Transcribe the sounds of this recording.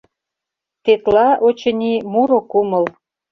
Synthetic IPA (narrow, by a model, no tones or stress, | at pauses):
t̪et̪lɑʔot͡ɕə̆nʲimuɾokuməl